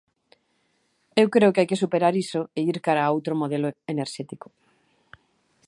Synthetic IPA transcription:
ewkɾeokeajkesupeɾaɾisoeiɾkaɾaowt̪ɾomoð̞eloeneɾʃɛt̪iko̥

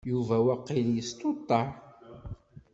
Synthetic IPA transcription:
juvæwæqːiljəst̪ot̪ˤːɑʕ

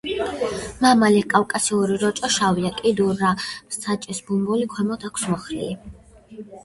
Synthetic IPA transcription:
mamalɛkʼalkʼasiuɾiɾɔt͡ʃʼɔʃaviakʼid̪uɾːamsʰat͡ʃʼɛsbumbulikʰwɛmɔt̪ʰakʰsmɔχɾḭli

